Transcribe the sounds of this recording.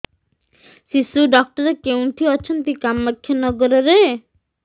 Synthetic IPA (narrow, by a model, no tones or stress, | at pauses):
sisuɖɔk̚ʈɔɾekeũʈʰiɔt͡ʃʰɔnt̪ikamːakʰːjɔnɔɡɔɾɔɾe